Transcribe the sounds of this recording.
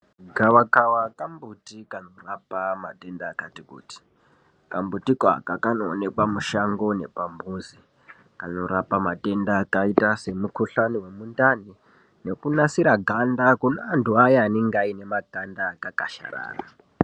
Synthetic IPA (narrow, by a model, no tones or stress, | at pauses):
ɡʱawakawakambutikanorapama̰te̞ndaːkatikṵːti̥ | kambutika̰kakanoːne̞kwamuʃaŋɡo̞ne̞̰pambuːzi | kano̞ɾapamate̞ndakaitase̞mukuɬaniwe̞mundani | ne̞kunasiɾaɡʱandakunaːntuajaːniŋɡaine̞maɡʱandakakaʃa̰ɾa̰ːra̰